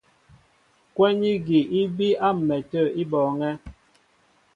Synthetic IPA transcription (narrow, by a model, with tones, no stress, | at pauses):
kwɛ˦ɲi˦ɡi˨ʔi˦bi˦a˦m̩˨mɛ˨tə˦˨i˦bɔː˨ŋɛ˦